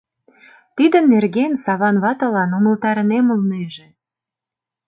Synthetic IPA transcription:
t̪id̪ə̆nːerɣensɑβɑnβɑt̪əlɑnoməlt̪ɑɾənemulneʒĕ

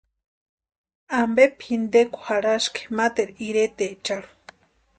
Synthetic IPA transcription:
ambepʰhind̪ekʷu̥haɽaʃke̥mat̪eɾiɾet̪et͡ʃaɽu̥

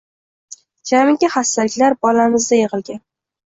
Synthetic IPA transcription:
d͡ʒamɪŋɡʲaχast̪alɪkʲlaɾbɒlamɪzd̪ajeʁɨlˠɡʲan

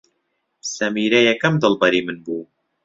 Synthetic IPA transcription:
bsɐmiːɾɛjɛkɐmd̪ɨlˠbɐɾiːmɨnbuː

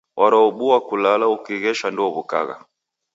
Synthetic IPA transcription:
wʔaɾaɔɓuwakulalaukiɣɛʃanduɔβuka̰ɣa̰

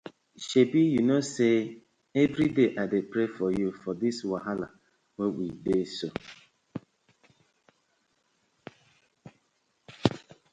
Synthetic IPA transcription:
ʃebijunose | ɛvɾideʔadepɾefɔjufɔdɪswaɦala̰ | wewideso

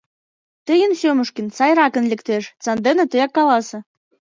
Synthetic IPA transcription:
t̪əjə̆nsʲøməʃkənt͡sɑjɾɑkə̆nlʲɘ̆kt̪eʃt͡sɑnd̪enĕt̪əjɑkːɑlɑsɤ̆

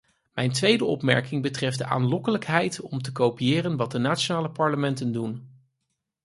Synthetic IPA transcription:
mɛjntʋejdəɔ̰pmɛ̰ɹkɪŋbətrɛfdəʔa̰ːnlɔkələkɦɛjtɔmtəkowpijɪːrənʋɑt̚dənaːt͡ʃonaːləpɑɹləmɛntəndun

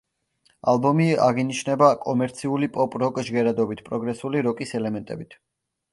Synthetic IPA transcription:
alˠbɔmia̰ʁiniʃnɛbakʼɔmɛɾt̪sʰiulipʼɔpʼɾɔkʼʒɡɛɾad̪ɔbit̪ʰpʼɾɔɡɾɛsuliɾɔkʼisɛlɛmɛnt̪ʼɛ̰bit̪ʰ

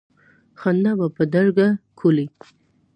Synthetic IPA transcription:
xand̪abapəd̪aɾɡakʰuli

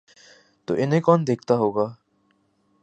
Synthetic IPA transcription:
t̪o̰ːʔɪnɦẽkɔːnd̪eːkʰt̪aɦoːɡaː

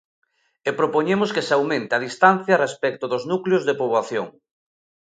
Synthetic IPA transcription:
epɾopoɲemoskesawmẽnt̪eaðist̪anθjɐrespɛk̚t̪oðoznukleozðepoβwaθjo̰ŋ

